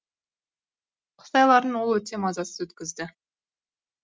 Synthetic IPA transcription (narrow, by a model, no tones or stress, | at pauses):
qʰʊ̥t̪ɑjlˠɑɾənwo̞lˠwɵt̪e̞mɑzɑsəzwɵt̪kʲɪzd̪ɪ